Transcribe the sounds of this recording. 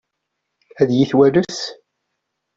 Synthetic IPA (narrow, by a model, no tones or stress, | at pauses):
æðjiθwæɾʊs